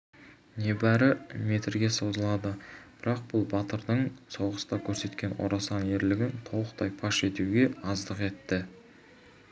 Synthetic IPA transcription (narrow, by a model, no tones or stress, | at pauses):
ne̞bæɾɪme̞t̪ɪɾɡʲe̞so̞zəlˠɑd̪əb̥ɪɾɑq̚b̥ʊlˠbɑt̪əɾd̪əɴso̞wʁəst̪ɑkʲʰɵɾse̞t̪kʲe̞nwo̰ɾɑsɑne̞ɾlɪɡʲɪnt̪ʰo̞wˠəqt̪ɑjpʰɑʃe̞t̪uɡʲe̞ɑzd̪əqe̞t̪ːɪ